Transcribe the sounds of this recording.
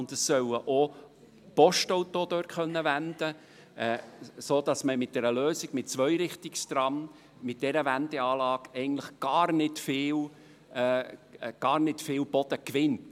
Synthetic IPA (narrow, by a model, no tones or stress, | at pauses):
ʊnd̪əsːœwəʔo | pɔʃtowtod̥̪øːɾχœnːəʋænd̪̥ə | ɛsoːd̥ɑsməmɪt̚d̥ɛɾəløːsɪɡ̥mɪt̚t͡sʋœʏɾɪχt̪ɪkst̪rɑm | mɪt̚d̥ɛɾəvænd̥̪ɛɑːlɑːkɛɪɡən̩tləχɡ̥ɑːrnɪtfɪːl | ɡ̥ɑːɾnɪtfɪːlb̥ɔd̥̪əkʋɪnt